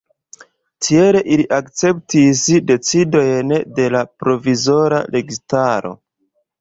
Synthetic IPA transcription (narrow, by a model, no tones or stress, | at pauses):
tʰie̞le̞ʔiliʔakt͡se̞ptisde̞t͡sido̞jnde̞lapɾo̞vizo̞ɾa̰le̞ɡistaɾo̞̰